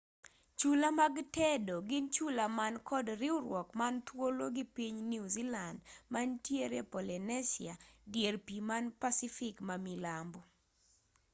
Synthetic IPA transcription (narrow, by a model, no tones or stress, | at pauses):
t͡ʃulamaɡtɛdoɡɪnt͡ʃulamankɔdɾɪʊɾwɔkmant̪woloɡɪpiɲnuzilandmantjeɾepɔlinɛsḭadjerpimanpasifɪkmamilambu